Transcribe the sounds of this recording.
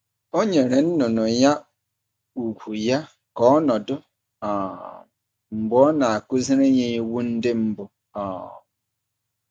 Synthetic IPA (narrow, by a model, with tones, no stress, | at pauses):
o˦ɲe˨ɾe˨n̩˦nʊ˨nʊ˨ja˦ | u˨kʷu˨ja˦ | kɔ˦ɔ˦nɔ˨dʊ˦ | ɔ˨ | m̩˨bʊ˦ɔ˦na˨a˨kʊ˦zi˦ɾe˦ɲe˦i˦wu˦n̩˦dɪ˦m̩˦bʊ˨ | ɔ˨